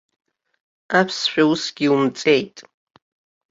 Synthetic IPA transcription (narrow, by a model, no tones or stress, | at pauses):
apʰsʃᶣausɡʲiumt͡sʼejtʼ